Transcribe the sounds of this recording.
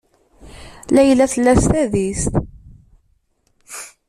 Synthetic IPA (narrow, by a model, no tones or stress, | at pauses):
læjlːæθəlːæst̪æðist̪